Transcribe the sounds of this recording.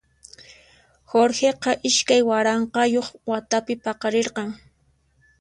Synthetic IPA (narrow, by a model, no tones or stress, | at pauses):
xoɾxeqɑʔɪʃkajwaɾɑɴqɑjoχwat̪apɪpɑqɑɾeɾqɑŋ